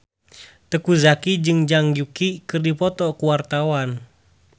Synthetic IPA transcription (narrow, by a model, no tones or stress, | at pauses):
t̪əkuzakid͡ʒɨŋd͡ʒaŋɡjukikɨrdipɔt̪ɔkuwart̪awan